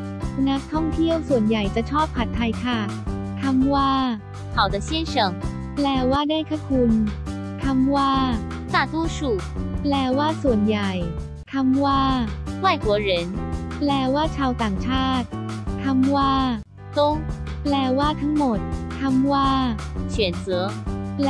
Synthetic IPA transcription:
na˦˥k̚t̪ʰɔ˥˩ŋt̪ʰi˥˩əwsu˨˩ənja˨˩jt͡ɕa˨˩t͡ɕʰɔː˥˩pʰːa˨˩t̪ʰːa˧jkʰa˥˩ | t̪ʰa˧mwaː˥˩ | kʰa˨˩wd̪ə˧ɕɛ˥˩nʂɤ˨˩˦ŋ | plɛː˨˩waː˥˩daː˥˩jkʰa˥˩kʰu˧n | t̪ʰa˧mwaː˥˩ | t̪aː˥˩t̪wɔ˥ʂu˥˩plɛː˨˩waː˥˩su˨˩ənja˨˩j | t̪ʰa˧˥mwaː˥˩wa˥˩jkwɔ˧˥ɻə˧˦˥nplɛː˧˩waː˥˩t͡ɕʰaː˧wt̪aː˨˩ŋt͡ɕʰaː˥˩t̪̚t̪ʰa˧˥mwaː˥˩ | t̪o˥ŋ | plɛː˧˩waː˥˩t̪ʰa˦˥ŋmo˨˩t̪̚ʰa˧mwaː˥˩ɕɥɛ˨˩nt͡sɤː˨˧˦

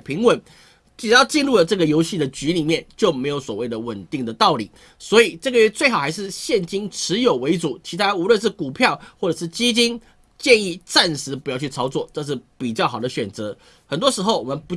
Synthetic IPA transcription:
pʰi˧˥ŋwə˨˦n | ʈ͡ʂ̩˨˩jɑ˥˧ʊt͡ɕi˥˧nlu˥˩lə˩ʈ͡ʂɤ˥˩ɡə˩jo˧˥ʊɕi˥˩d̪ə˩t͡ɕy˧˥li˨˩mjɛ˥˨˩nt͡ɕjo˥˩ʊme˧˥ɪjo˧˥ʊswɔ˨˩we˥˩ɪd̪ə˩wə˨˩nt̪i˥˩ŋd̪ə˩t̪ɑ˥˩ʊlḭ˨˩˦ | swɔ˧˥i˨˩ʈ͡ʂɤ˥˩ɡə˩ɥɛ˥t͡swe˥˩ɪxɑ˨˩ʊxa˧˥ɪʂ̬ɻ̩˥˧ɕjɛ˥˩nt͡ɕi˥ŋʈ͡ʂʰɻ̩˧˥jo˨˩ʊwe˧˥ɪt͡su˨˩˦t͡ɕʰi˧˥t̪ʰa˥u˧˥lwə˥˧nʂ̬ɻ̩˥˩ku˨˩pʰjɑ˥˧ʊxwɔ˥˩ʈ͡ʂɤ˨˩ʂɻ̩˥˩t͡ɕi˥t͡ɕi˥n | t͡ɕjɛ˥˧ni˥˩t͡sa˥˩nʂɻ̩˧˥p̬u˧˥jɑ˥˧ʊt͡ɕʰy˥˩t͡sʰɑ˥ʊt͡swɔ˥˩ʈ͡ʂɤ˥˧ʂ̬ɻ̩˥˩pi˨˩t͡ɕjɑ˥˩ʊxɑ˨˩d̪ə˦ɕɥɛ˨˩nt͡sɤ˧˥ | xə˨˩nt̪wɔ˥ʂɻ̩˧˥xo˥˩ʊwɔ˨˩mə˧˦npu˧˥

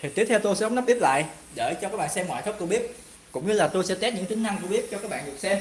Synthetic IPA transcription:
t̪ʰi˨˩t̪i˦˥t̪ʰɛ˧wt̪o˧jsɛ̰˧˥˨wŋ͡mna˦˥ɓi˦˥əp̚la̰ː˧˨j | ɗe˧˩t͡ɕɔ˧kaː˦˥kɓa̰ː˧˨nsɛ˧mŋwa̰ː˧˨jt̪ʰə˦˥w̚k͡p̚t̪o˧jɓi˦˥ət̚ | kʊ̰˧˥ŋ͡mɲɨ˧laː˨˩t̪o˧jsɛ̰˧˥t̪ɛ˦˥t̚ɲɨ̰˧˥ŋt̪ï˨˦ŋ̟na˧ŋt̪o˧jɓi˦˥əp̚t͡ɕɔ˧kaː˦˥k̚ɓa̰ː˧˨ɨ˨˩ək̚sɛ˧m

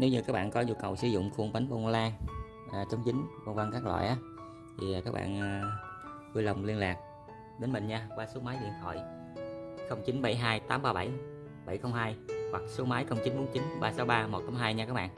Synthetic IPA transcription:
ne˨˦wɲɨ˧kaː˦˥k̚ɓa̰ː˧˨nkɔ˨˦ɲu˧kə̰˨˩wsɨ˨˧˩zʊ̰˧˨ŋ͡mfu˧əŋta˨˦ŋɓo˧n˧laː˧ŋː˨˩ | t͡ɕɔ˨˦wŋ͡mt͡ɕi˨˦ŋ̟ko˧nva˧ŋkaː˦˥k̚la̰ː˧˨jʔaː˨˦ | t̪ʰi˨˩˨kaː˦˥k̚ɓa̰ː˧˨n˨ | ku˧lə˨˩wŋ͡mli˧ənlaː˨˩k̚ | ɗe˨˦nmï˨˩ŋɲaː˧waː˧so˨˦maː˨˦jɗḭ˧˨ənt̪ʰɔ̰˧˩˨j | xə˧wŋ͡mt͡ɕi˨˦nɓə̰˧˩jɦaː˧jt̪aː˨˦mɓaː˧ɓə˧˩j | ɓa̰˧˩jxə˧wŋ͡mɦaː˧jhwa˨˩k̚so˨˦maː˨˦jxə˧wŋ͡mt͡ɕi˨˦nɓo˨˦nt͡ɕi˨˦nɓaː˧sa˨˦wɓaː˧mo˨˩t̚t̪aː˨˦mɦaː˧jɲaː˧kaː˦˥k̚ɓa̰ː˧˨n

